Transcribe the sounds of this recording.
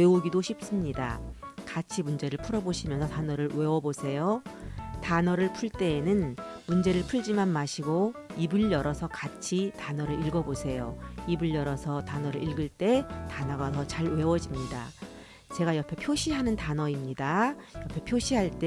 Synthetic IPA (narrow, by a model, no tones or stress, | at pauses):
euɡidoɕʰip̚s͈ɯmɲida̰kat͡ɕʰimund͡ʑe̞ɾɯɭpʰuɾʌboɕʰimjʌnsʰʌtanʌɾɯɭwe̞wʌbosʰe̞jotanʌɾɯɭpʰuɭt͈e̞ːnɯnmund͡ʑe̞ɾɯɭpʰuɭd͡ʑimanmaɕʰiɡoibɯʎːʌɾʌsʰʌkat͡ɕʰitanʌɾɯɾiɭɡʌbosʰe̞joibɯɭjʌɾʌsʰʌtanʌɾɯɭiɭɡɯɭt͈e̞tanʌɡasʰʌt͡ɕaɭwe̞wʌd͡ʑimɲida̰ | t͡ɕe̞ɡajʌpʰe̞pʰjoɕʰiɦanɯntanʌimɲidajʌpʰe̞pʰjoɕʰiɦaɭt͈e